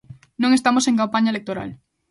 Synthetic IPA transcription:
nõŋest̪amoseŋkampaɲaelek̚t̪oɾa̰l

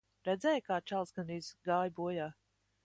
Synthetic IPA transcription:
ɾɛd̪zɛːjkaːt͡ʃalˠsɡaniːzɡaːjbuɔjaː

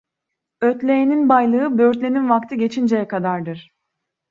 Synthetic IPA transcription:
øt̪lʲejeninbajlˠɯɯbø̞ɾt̪lʲe̞ninvakt̪ʰɯɟe̞t͡ʃʰind͡ʒejɛkʰad̪aɾd̪ɯɾ̥

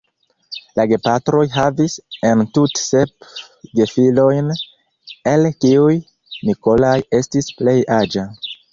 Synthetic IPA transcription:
laɡe̞patɾo̞jɦavise̞ntutse̞p | ɡe̞filo̞jn | e̞lkiuj | miko̞laje̞stisple̞jʔad͡ʒa

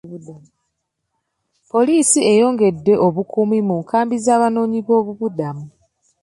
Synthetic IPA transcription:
dau | po̞liːsie̞jo̞ːŋɡe̞dːe̞ʔo̞βukumimuŋkaːmbizaːβano̞ːɲiβo̞ːβuβudamu

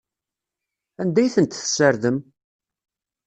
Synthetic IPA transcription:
ænd̪æjθənt̪θsəɾðəm

